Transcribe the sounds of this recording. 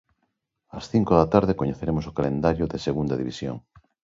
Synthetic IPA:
ɐsθiŋkoðɐt̪aɾðekoɲeθeɾemosokalend̪aɾjʊðeseɣund̪ɐðḭβisjo̰ŋ

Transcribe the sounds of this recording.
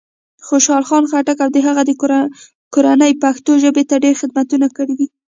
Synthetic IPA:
xoʃɑlxɑnxaʈakawd̪əɦaɣad̪ə | koɾanəjpaxt̪oʒəbet̪aɖeɾxɪd̪̚mat̪unakəɽid̪i

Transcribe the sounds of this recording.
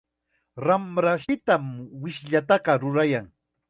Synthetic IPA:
ɾamɾaʃɪt̪amwɪʃʎat̪ɑqɑɾʊɾajaŋ

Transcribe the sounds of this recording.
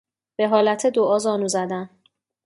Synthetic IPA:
b̥e̞ɦɒːlæt̪ʰed̪oʔɒːzɒːnuːzæd̪æn

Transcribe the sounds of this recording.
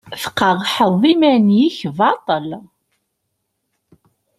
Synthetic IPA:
θə̥qːəʁħəðˤimænjiçvɑt̪ˤəl

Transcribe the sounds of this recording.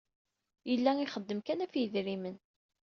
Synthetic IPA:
jəlːæŋiχəd̪ːəmkænæfjəðɾimən

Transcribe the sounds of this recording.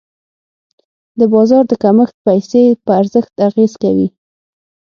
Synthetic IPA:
d̪əbɑzɑɾd̪əkaməxt̪̚pajsepəaɾzəxt̪aɣezkawi

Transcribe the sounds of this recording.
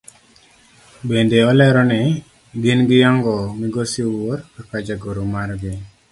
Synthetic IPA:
bendeɔlɛɾɔnɛ | ɡɪnɡɪjaŋɡɔmiɡosiwoɾpipad͡ʒaɡoɾomaɾɡɪ

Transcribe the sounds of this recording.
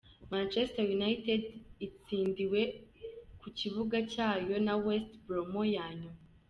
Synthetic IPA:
mant͡ʃestajunaitedit͡siːndiwe̞ | kucivuɡacaːjo̞nawestbɾomojaːɲu

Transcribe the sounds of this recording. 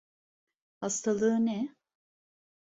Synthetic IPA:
hast̪ʰalˠɯɯnɛ

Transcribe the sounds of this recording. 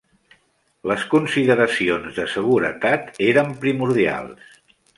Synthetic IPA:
ləskunsiðəɾəsionzðəsəɣ̞uɾə̰t̪at̪eɾəmpɾimuɾðia̰lˠs

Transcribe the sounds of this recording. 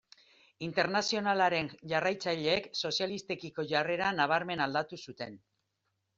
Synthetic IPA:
int̪e̞ɾnasio̞nalaɾe̞nʝarajt͡saʎe̞ːkso̞sialist̪e̞kiko̞ʝare̞ɾanaβ̞aɾme̞nald̪at̪usut̪e̞n

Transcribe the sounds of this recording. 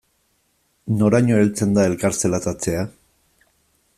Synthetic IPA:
no̞ɾaɲoelt͡se̞nd̪ae̞lkaɾt͡selat̪at͡se̞a

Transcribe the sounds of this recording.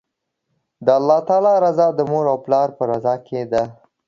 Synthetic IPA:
d̪əalːɑt̪ɑlɑɾazɑd̪əmoɾawplɑɾpəɾazɑkʰed̪a

